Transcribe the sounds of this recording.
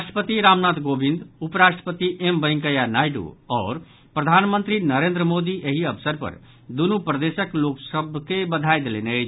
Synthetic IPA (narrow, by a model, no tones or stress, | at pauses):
ɾasʈəpət̪iɾamnat̪ɡobind̪upɾaʃʈəpət̪iʔembəj̃ŋkəjanajɖṵɔɾ | pɾəd̪ʱanmənt̪ɾinəɾend̪ɾəmod̪iʔeɦiəbsəɾpə̰ɾ | d̪unupɾəd̪esəkloksəbkebəd̪ʱajd̪elenəjt͡ʃʰ